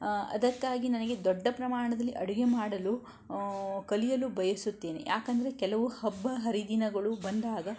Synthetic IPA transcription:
ɐ̰d̪ɐkːaːɡinɐnɐɡe̞d̪ɔɖːɐpɾɐmaːɳɐd̪ɐlːiʔɐɽuɡemaːɽɐlu | kɐlijɐlubɐjɐsut̪ːe̞ːnḛjʔaːkɐnd̪ɐɾe̞kɛlɐʋuhɐbːɐɦɐɾid̪inɐɡɐɭubɐnd̪aːɡɐ

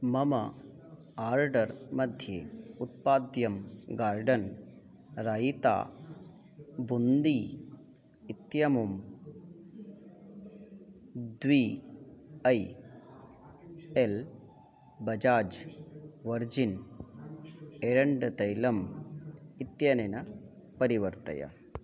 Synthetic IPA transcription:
mɐmɐ | aːɾɖɐɾmɐd̪ʱjeːut̪̚paːd̪jɐmɡaːɾɖɐn | ɾaːjit̪a̰ː | bund̪iː | it̪jɐmum | d̪ʋiː | ɐj | el | bɐd͡ʒaːd͡ʒ | ʋɐɾd͡ʒin | eɾɐɳɖɐt̪ɐjlɐm | it̪jɐnenɐ | pɐɾiʋɐɾt̪ɐ̰jɐ̰

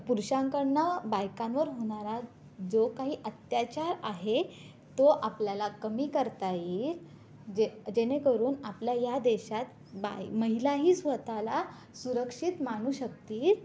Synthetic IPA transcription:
puɾɕãŋkəɽnabajkãnʋəɾɦoɽ̃aɾa | d͡zokaɦiːʔət̪jat͡ɕaɾaɦe | t̪oʔapljalakəmiːkəɾt̪aiːɾ | d͡ʑed͡ʑenekəɾuːnapljajad̪eɕat̪ | ba̰məɦilaɦiːsʋət̪ala | suɾəkʂit̪maɽ̃uːɕək̚t̪iːɾ

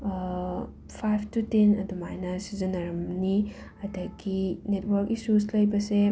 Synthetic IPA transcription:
pʰajbʰtutenɐdumajnɐsizɐnɐɾɐmniɐdɐɡinet̚wɐɾkisuslɐjbɐse

